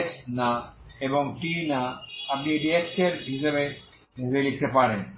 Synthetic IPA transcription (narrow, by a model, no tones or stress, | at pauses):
tnaeboŋʈinaap̚niɖieʈseɾɦiʃebe | ibelik̚t̪epaɾen